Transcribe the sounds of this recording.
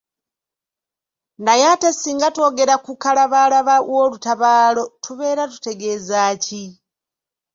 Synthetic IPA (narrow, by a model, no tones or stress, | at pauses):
ndajatesiːŋɡato̞ːɡe̞ɾakukalaβaːlaβawo̞ːlutaβaːlo̞tuβe̞ːɾatu̥te̞ɡe̞ːzaːci